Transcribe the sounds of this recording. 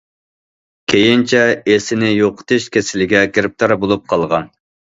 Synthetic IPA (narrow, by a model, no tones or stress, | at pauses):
kʲʰejint͡ʃʰɛesɪnɪjoqʰə̥t̪ʰɨʃkʲʰesɪlɪɡʲɛkʲeɾɪp̚t̪ʰɑɾbolˠup̚qʰɑlˠʁɑn